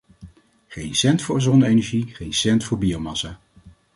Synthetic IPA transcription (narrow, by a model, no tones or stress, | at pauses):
χejnsɛntfʊːɹzɔnəejnɛɹʒiχejnsɛntfʊːɹbiowmɑsaː